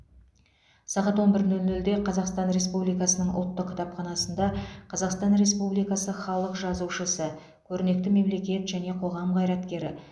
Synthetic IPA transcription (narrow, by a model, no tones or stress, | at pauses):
sɑʁɑt̪wonbɪɾnɵlnɵld̪e̞qʰɑzɑqst̪ɑnɾe̞spublijkɑsənəɴʔʊ̰lˠt̪ːəqkʲʰːɪ̥t̪ʰɑpχɑnɑsənd̪ɑqʰɑzɑqst̪ɑnɾe̞spublijkɑsəχɑlˠəqʒɑzuʃəsə | kʲʰɵɾɪne̞k̚t̪ɪme̞mle̞kʲe̞t̪ʒæne̞qʰoʁɑmʁɑjɾɑt̪kʲe̞ɾɪ